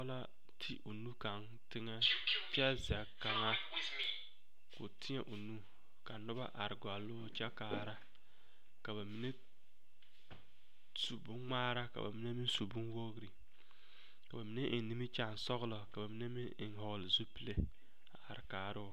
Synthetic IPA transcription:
la˦ | tʰi˦ʔu˨nu˦ka˨ŋ | tɪ˦ŋɛ˦pi˦a˦zɪ˨a˨ka˨ŋa˦ | kʊ̰˨tʰɪ˦ɲɛ˦˨ʔu˨nu˦ | ka˨nʊ˦ba̰˦ʔa˨ɾɡʷa˨lo˦t͡ʃa˦kaː˨ɾa˦ | ka˨ba˨mi˨ne˦ | su˨bʊ˦ŋŋ͡maː˦ɾa˦ka̰˨ba̰˨mi˦ne˦mɪ˦nsu˨bu˦n˦wo˦ɡɾi˨ | ka˨ba˨mi˨˦ne˦ʔɪ˨n˦ni˦mi˦t͡ʃa˦˨n˨sɔ˦ɣlɔ˨ka˨ba˨mi˦ne˦mɪ˦nɪ˨nɦɔ˨ɣlɪ˨zu˦pi˦˨le˨ | a˨a̰˨ɾɪ˨kaː˨ɾɪ˦

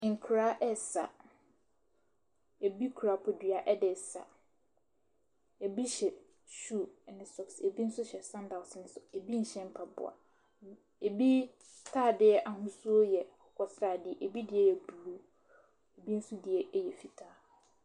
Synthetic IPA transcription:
ŋ̩˨kʰɾa˦ʔɛ˦sa̰˨ | e˨bi˦kʰu˨ɾa˨˦pʰɔ˨dɥa˨ʔɛ˦dɪ˨sa̰˨ | ɛ˨bi˦ɕɛ˨ | ʃuː˦˨nɪ̃˨sɔ˨kse˨bi˦n̩˦sʊ˦ɕɛ˨sã˦nda˨sn̩˦sʊ˨e˨bi˦n̩˨ɕɛ̃˦m˦pʰa˨bʊ̰˨a̰˨ | e˨bi˦ | tʰaː˦˨dɪ˦ɛ˦ʔa˨ɦʊ̃˦su˦o˦jɛ˨ɔ˨kʰʷɔ˨sɾaː˦˨dɪ˦ɛ˨ʔe˨bi˦dɪ˨ɛ˦ɛ˨bu˨u˦ | e˨bi˦n̩˦sʊ̃˦dɪ˨ɛ˨˦jɛ˨fi˨tʰaː˦

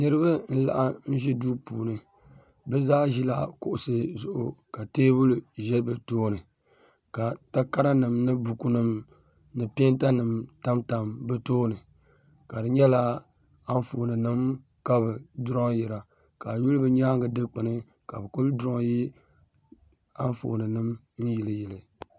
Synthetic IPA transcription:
nɨ˦ɾɨ˦bɨ˦n̩˦la̰˨ʔa˦n̩˦ʒi˦duː˦puː˨nɨ˨ | bɛ˦zaː˦ʒi˦la˨kʊ˨ʔʊ˨sɨ˨zʊ˨ʔʊ˨ka˨teː˦bu˦lʒɛ˦bɨ˨toː˦nɨ˨ | ka˨ta˦ka˦ɾa˦nɨ˨mnɨ˦bu˨ku˨nɨ˨m | nɨ˨pi˦n˦ta˦nɨ˨mta˦mta˨mbɨ˦toː˦nɨ˨ | ka˨dɨ˨ɲɛ˦la˦ | a˦n˦fo̰ː˨nɨ˨nɨ˦m | ka˦bɨ˨dɾɔ˦ŋjɛ˨ɾa˨ | ka˨ju˦lbɨ˨ɲaː˦ŋɡɨ˨dɨ˦k͡pɨ˨nɨ˦ | ka̰˨bɨ˨ku˦ldɾɔ˦ŋji˦ | a˦n˦fo̰˨nɨ˨nɨ˦m | n̩˦ji˨lɨ˨jɛ˨lɨ˨

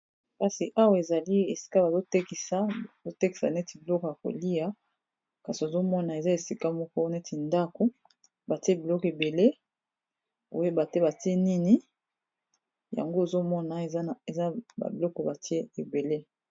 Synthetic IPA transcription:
ka˦si˨ʔa˦wa˦˨e˨za˨li˦e˨si̥˦ka˦ba˨zo˦te˦ki˨sa˦˨zo˦te˦ki˨sa̰˨ne˦ti˨bi˨lɔ˦kɔ˨ja˨ko̰˨li˦ja˦ | ka˨si˨o˨zo˦mɔ˦na˨e˨za˦e˨si˦ka˦mɔ˦kɔ˦ne˦ti˨nda˦ko˦ | ba˨ti˦e˦bi˨lɔ˦kɔ˨e˨be˨le˦ | o̰˦e˦ba˨te˦ba˨ti˦e˦ni˦ni˦ | ja̰˨ŋɡo˦e˨zo˦mɔ˦na˨e˨˦˨e˨za˦ba̰˨bi˨lɔ˦kɔ˨ba˨ti˦e˦e˨be˨le˦

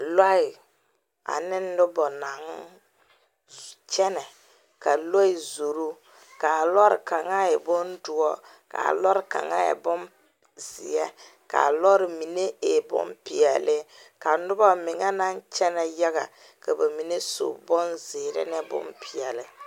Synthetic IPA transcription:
lɔ˦ɪ˨ | a̰˨nɪ˦n˦dʊ˦bɔ˨na˨ŋ˦ | t͡ʃɛ˦nɛ˨ | ka˨lɔ˦ɪ˨zo˨ɾu˦ | ka˨lɔ˦ɾɪ̰˨ka˨ŋa˦ɛ˨bɔ˦ndʊ˨ɔ˦ | ka̰˨lɔ˦ɾɪ˦˨ka̰˨ŋa̰˦jɛ̰˨bɔ˦n | z̥ɪ̰˨jɛ˦ | ka̰˨lɔ˦ɾɪ˨mi˨ne˦e˨bʊ̰˦mpɪ˨ɛ˨lɪ˦ka˨nʊ˦bɔ˦mɪ˨ŋa˦na˦nt͡ʃɛ˦nɛ˨ja˦ɣa̰˨ | ka˨ba˨mi˨ne˦so̰˨bɔ˦nzɪː˨ɾɪ̰˦nɛ˦bʊ̰˦mpʰɪ˨ɛ˨lɪ˨

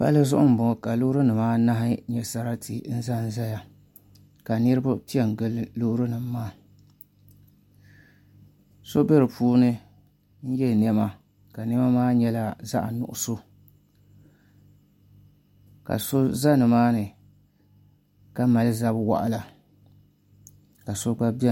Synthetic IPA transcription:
pa̰˦lɨ˦zʊ˦ʔʊ̰˦m̩˨bʊ˨ka˨lu˦hɾɨ˦nɨ˨maː˦na˦ɦɪ˦ɲɛ˨sa˦ɾa˦tʰḭ˨n̩˦za˦n˦za˦ja˦ | ka˨nɨ˦ɾɨ˦ba˦pi˦ɛ˨n˨ɡɨ˦llu˦ɾɨ˦nɨ˨mː˦aː˦ | so˦be˦ɾɨ˨pʰuː˦nɨ˦ | n̩˦jɛ˦˨n˦ɛ˦ma˦ | ka˨n˦ɛ˦ma˦maː˦ɲɛ˦la˦za̰˦ʔa̰˨nʊ̰˨ʔʊ˦so˦ | ka̰˨so˦za˦nɨ˨maː˦nɨ˨ | ka˦ma˨lɨ˦za˦bwa̰˨ʔa̰˦la˨ | ka˨so˦ɡ͡ba˦bi˦ɛ˦

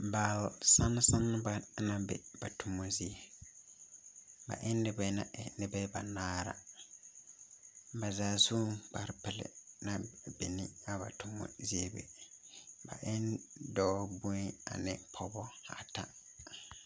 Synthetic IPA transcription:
ba˨lsã˦n˦sɪ̃˦nːʊ̃˦ba˨˦nã˦bɛ̰˨b̥a˨tʰʊ˨mɔ̃˦zi˦e˨ | ba̰˨ʔɪ˦nː˦ɪ˨bɛ˦nã̰˨ʔɛ˨nɪ̃˦bɛ˦ba˨nãː˦ɾa̰˨ | ba˨zaː˨su˦k͡pʰa˨ɾpʰɛ˨lɪ̰˨nã˨bɛ˨nɪ̃˦a˨ba̰˨tʰʊ˨mɔ̰̃˦zi˦e˦bḛ˨ | ba̰˨ʔɪ˦ndɔː˦bu˦ɛ˦a̰˨nɪ̃˦pʰɔ˨bɔ˦a˨tʰa̰˦

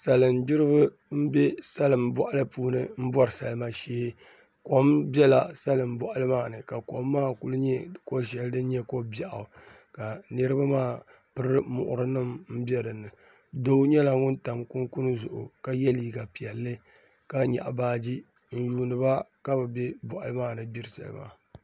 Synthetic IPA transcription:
sa˨lɨ˨mdɨ˦ɾɨ˦βɨ˦ | m̩˦bɛ˦sa˦lɨ˨mbɔ˦ʔa˦lɨ˦puː˦nɨ˦m̩˦bɔ˦ɾɨ˨sa̰˨lɨ˦ma˦ʃeː˦h | ko˨mbɛ˦la˨sa˦lɨ˨m˦bɔ˨ʔa˦lɨ˦maː˦˨nɨ˨ka˨ko˨mːaː˦ku˨lɨ˦ɲɛ˦ko˦ʃɛ˨ldɨ˦ɲɛ˦ko˦ba˨ʔa˨ | ka˨nɨ˦ɾɨ˦ba˦maː˦˨ | pɨ˦ɾɨ˦mʊ̰˨ʔʊ̰˨ɾɨ˦nɨ˦mm̩˦bɛ˦ɾɨ˨nɨ˨ | do˦ɲɛ˦la˨ŋʊ˦nta˨mku˦ŋku˦nɨ˦zʊ˨ʔʊ̰˨ka˦jɛ˦liː˨ɡa˨pi˨ɛ˨lːɨ˦ | ka˦ɲa̰˨ʔa˨baː˦d͡ʒi˦ | n̩˦juː˨nɨ˨ba˦ka˦bɨ˨bɛ˦bɔ˨ʔa̰˨lɨ˦maː˦˨nɨ˦bi˦ɾsa̰˨lɨ̰˦ma̰˨

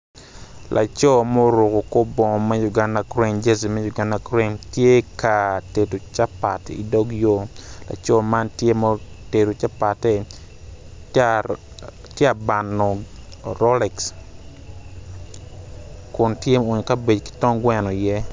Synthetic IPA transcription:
lʔa̰˨t͡ʃɔ˦mo˦ɾu˨kʊ˨ko˦bɔ˨ŋ˨mɛ˦ju˨ɡa˦nda˨kɾe˦nd͡ʒe˦zi˨mɛ˦ju˨ɡa˦nda˨kɾe˦ntje˦ka˨te˨to˨t͡ʃa˦pa˨tḭ˨dɔ˦ɡjo˦la̰˨t͡ʃɔ˦ma˦ntje˦mɔ˦te˨to˨t͡ʃa˦pa˨tɛ˦ | tjɛ˦a˨ba˨nːɔ˨ɾɔ˦lɛ˨ks | kʊ˨ntje˦o˨ɲo˨ka˦be˨d͡ʒki̥˦tɔ˦ŋɡwɛ˦nɔ˨jɛ˦

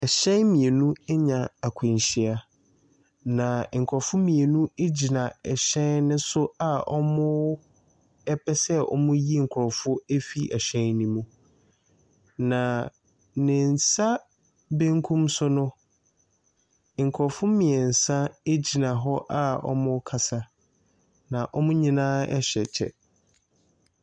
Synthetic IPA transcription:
ɛ˨ɕɛ̃˦nmĩ˨e˨nũ˦ɛ˦ɲã˨a˨kʷʰʊ̃˨ɲ˨ɕi˦a˨ | nã˨ŋ̩˨kʰɔ˨fʊ̃˦mĩ˨e˨nũ˦e˦d͡ʑi˨nã˨ɛ˨ɕɛ̃˦nnɪ̃˦sʊ˦a˨ɔ̰˦mʊ̃˦ | ɛ˦pʰɛ˦sɛ˦ɔ̰˦mʊ̃˦ji˦ŋ̩˨kʰʊ˨ɾɔ˨fʊ˦e˦fi˦ʔɛ˨ɕᶣɛ̃˦nnĩ˦mũ˨ | nã˨ | nɪ̃˨n˨sa˦ | bẽ˦ŋkʰũ˦msʊ˦nʊ̃˦ | ŋ̩˨kʰʊ˨ɾɔ˨fʊ̃˦mĩ˨ɛ˨n̩˨sã˦e˦d͡ʑi˨nã˨ɦɔ˦ʔa˦ɔ̰˦mʊ̃˦kʰa˦˨sa˦ | nã˨ʔɔ˦mʊ̃˦ɲĩ˦nãː˦ɛ̰˦ɕᶣɛ˨t͡ɕʰɛ̰˨

